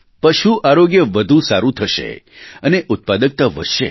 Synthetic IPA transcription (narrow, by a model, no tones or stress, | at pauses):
pəʃuʔaɾoɡjəʋəd̪ʱũsaɾũt̪ʰəʃḛ | əneʔʊt̪̚pad̪ək̚t̪aʋə̰ʃḛ